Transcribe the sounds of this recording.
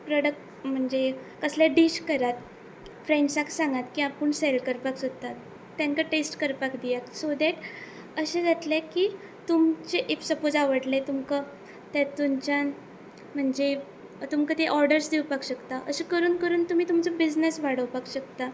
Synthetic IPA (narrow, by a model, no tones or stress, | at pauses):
pɾɔɽək̚ʈ | m̤əɳd͡zekəslaɖiɕkəɾat̪ | fɾẽɳɖsaksãŋɡat̪kiapəɳselkəɾpaksot̪at̪ː | jãŋkaʈesʈkəɾpakd̪ijaksod̪ɛʈ | əɕẽd͡zat̪lekiː | t̪umt͡ɕeʔeksəpod͡zaʋəɽlet̪umkə | t̪jat̪umt͡ɕjan | m̤əɳd͡ʑe | t̪umkət̪eʔɔɾɖəɾsd̪ewpakɕəkt̪aʔəɕikəɾuːnkəɾuːnt̪um̤iːt̪umt͡sobid͡znəsʋaɽəwpakɕəkt̪a